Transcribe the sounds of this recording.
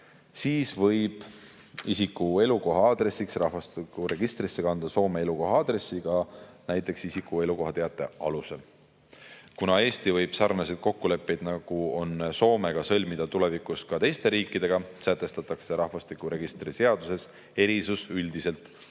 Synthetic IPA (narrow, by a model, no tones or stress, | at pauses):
siːsvɤ̞jb̥ | isikːue̞luko̞ɦɑɑd̪re̞siksrɑhvɑst̪ikːuɾe̞ɡ̥ist̪ɾisːe̞kɑnd̪̥ɑso̞ːme̞eluko̞ɦɑɑd̪̥ɾe̞sːiɡ̥ɑnæjt̪ːˑe̞ksisikːˑue̞luko̞ɦɑt̪eɑt̪ːˑe̞ɑluse̞l | kunɑe̞ːst̪ivɤjb̥sɑrnɑsid̪̥̚ko̞kːule̞pːe̞jd̪̥nɑɡ̥uo̞nso̞ːme̞ɡ̥ɑsɤ̞lʲmid̪̥ɑt̪ule̞vikuskɑt̪ejst̪e̞ɾiːkːˑid̪̥e̞ɡ̥ɑsæt̪ːˑe̞st̪ɑt̪ːˑɑkse̞ɾɑhvɑst̪ikuɾe̞ɡ̥ist̪rise̞ɑd̪̥use̞s | e̞ɾisusyld̪ise̞lt̪ˑ